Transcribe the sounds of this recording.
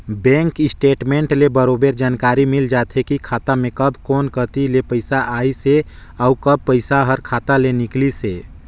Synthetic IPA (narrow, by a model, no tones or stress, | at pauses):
bɛ̃ːŋkɪsʈeːʈmẽːɳʈlebəɾobeɾd͡ʒaːnkaːɾimɪld͡ʒat̪ʰekikʰaːt̪amẽkəbʱkɔːnkət̪ilepəɪsaʔaːise | aukəb̚pəɪsaɦəɾkʰaːt̪alenikliseː